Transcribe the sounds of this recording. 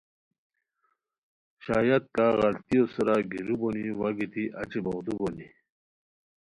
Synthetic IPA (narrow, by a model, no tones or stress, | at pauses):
ɕaːjat̪̚kaɣalt̪ijosɐɾaɡiɾuboniwaɡit̪iʔɐt͡ɕiboɣd̪uboni